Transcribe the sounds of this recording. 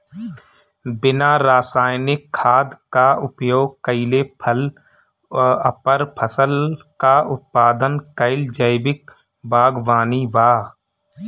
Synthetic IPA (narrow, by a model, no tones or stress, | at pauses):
bɪnaːɾaːsaːjnɪkʰːaːd̪kaʊpjoːɡ̚kəɪlepʰəl | əpəɾpʰəsəlkaʊt̪̚paːd̪ənkəɪld͡ʒəɪbɪk | bʱaːɡʋaːniʋaː